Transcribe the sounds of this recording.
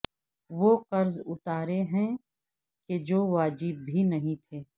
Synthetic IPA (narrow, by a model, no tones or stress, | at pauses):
ʋoqɐɾzʊt̪aːɾeɦɛ̃ | ked͡ʒoːʋaːd͡ʒɪbːʱinɐɦĩt̪ʰeː